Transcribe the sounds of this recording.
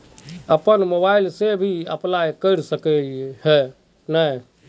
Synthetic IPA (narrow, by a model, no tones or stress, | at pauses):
əpənmobailsebʱiəplajkəɾsəkɛhɛ | nəj